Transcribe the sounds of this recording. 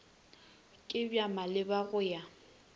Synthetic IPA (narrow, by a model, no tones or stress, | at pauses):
kʼɪbjamalɪbaɣʊja